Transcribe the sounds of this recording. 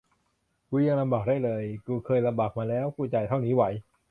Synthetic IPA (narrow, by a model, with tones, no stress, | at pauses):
kuː˧ja˧ŋla˧mbaː˨˩k̚daː˥˩jlɤː˧jkuː˧kʰɤː˧jla˧mbaː˨˩k̚maː˧lɛː˦˥wkʰuː˥˩t͡ɕa˧˩jt̪ʰa˥˩wniː˦˥wa˩˦j